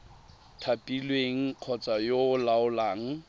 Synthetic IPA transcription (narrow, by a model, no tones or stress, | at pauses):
tʰapʼilweŋ̩q͡χʰɔt͡sʼajolaʊlaːŋ̩